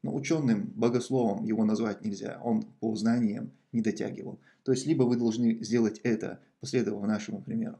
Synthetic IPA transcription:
no̰ʊt͡ɕo̞nːɨmbəɡɐslˠo̞vəmjɪvo̞nɐzvat̚ʲnʲɪlʲzʲa̰onpoznanʲɪjəm | nʲɪd̪ɐtʲa̰ɡʲɪvə̰lˠ | t̪o̞jɪsʲtʲlʲibəvɨd̪ɐlˠʐnɨzʲdʲe̞lˠətʲɛt̪ə̰ | pɐsʲlʲe̞d̪əvəlˠnaʂəmʊpɾʲɪmʲe̞̰ɾʊ

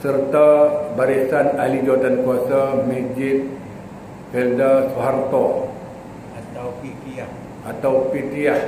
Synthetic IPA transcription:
sərt̪abaɾisanalid͡ʒoat̪ankuasamid͡ʒɪt̪̚ | fɛldasuɦart̪ɔ | at̪awpit̪ia | ʔat̪awpit̪iah

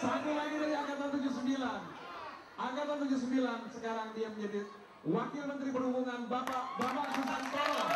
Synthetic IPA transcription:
sakulaɡidaɡiaɡat̪at̪ud͡ʒus̬əmbilan | ʔaɡat̪at̪ud͡ʒus̬əmbilansəkaɾaŋdiaməɲd͡ʒadi | wakɪlmənt̪ɾipərɦubuŋanbapabapaʔsusant̪ɔla

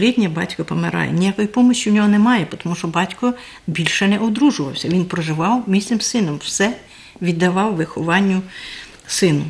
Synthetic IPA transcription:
lʲid̪ʲnʲɐbɑ̰tʲkɐpɔmeɾɑ̰jɛ̰nʲijakɔjipɔmɔt͡ʃʲwnʲɔɦɔnɛmɑjɛpɔt̪ɔmuʃɔbɑtʲkɔ | bʲilʲʃɛnɛʔɔd̪ɾuʒʊʋɐwsʲɐʋʲinpɾɔʒɪʋɑwmʲisʲnɪmsɪnɔmwsɛ | ʋʲid̪ːɐʋɑwʋɪxɔʋɑnʲːʊ | sɪnʊ

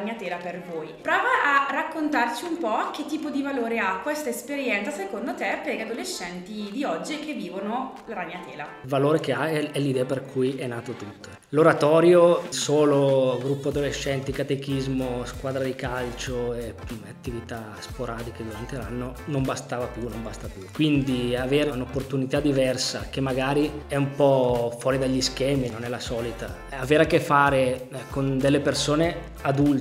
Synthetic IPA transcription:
ɲːat̪ɛːlapervoːjpɾɔːvaʔarakːont̪art͡ʃiumpɔk̟ːet̪ːiːpod̪ivaloːɾeakːwest̪aespeɾjɛnt̪sasekond̪ot̪epːɛɡead̪oleʃːɛnt̪id̪iɔd͡ʒːik̟evːiːvono | laɾaɲːat̪ɛːlalvaloːɾek̟eaɛɛlid̪ɛːaperkʰujɛnːaːt̪ot̪ut̪ːo | loɾat̪ɔːɾjosoːloɡɾupːoad̪oleʃːɛnt̪ikat̪ek̟izmoskwaːd̪ɾad̪ikalt͡ʃoeat̪ːivit̪a | spoɾaːd̪iked̪uɾant̪elanːonombast̪aːvapjunombast̪apjukwind̪iaveːɾaunopːort̪unit̪ad̪ivɛrsak̟emːaɡaːɾiɛumpɔfwɔːɾid̪aʎːisk̟ɛːminonɛlasɔːlit̪a | aveːɾakːefːaːɾekond̪elːepersoːne | ad̪ul

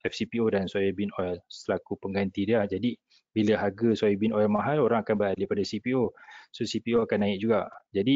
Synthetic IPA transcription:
ɛfsipiodansuajobinoɛlsəlakupəŋɡant̪idilahd͡ʒadi | biləɦaɡəsuajabinoɛlmaɦaloɾaŋakanbəɾalipadasipiososipioakanːãɪk̚d͡ʒuɡaʔd͡ʒadi

